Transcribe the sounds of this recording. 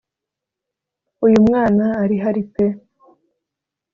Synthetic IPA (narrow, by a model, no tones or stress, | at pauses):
ujumŋaːnaːɾiɦaɾit͡se